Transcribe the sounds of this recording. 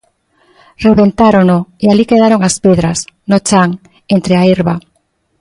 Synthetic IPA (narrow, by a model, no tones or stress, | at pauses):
reβent̪aɾonʊealikeð̞aɾoŋaspeðɾasnot͡ʃaŋ | ent̪ɾeaiɾβa